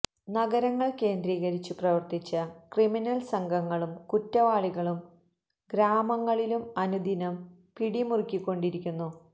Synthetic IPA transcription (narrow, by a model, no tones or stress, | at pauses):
nɐɡɐɾɐŋːɐɭke̞ːnd̪ɾiːɣɐɾit͡ɕːuprɐʋɐrt̪it͡ɕːɐkriminɐlsɐŋɡʱɐŋːɐɭumkutːɐʋaːɭiɣɐɭum | ɡɾaːmɐŋːɐɭilumɐnud̪ʱinɐm | piɽimurkʲːikʲːo̞ɳɖiɾikʲːunːu